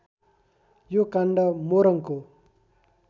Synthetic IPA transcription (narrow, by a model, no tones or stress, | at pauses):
jokaɳɖʌmoɾʌŋko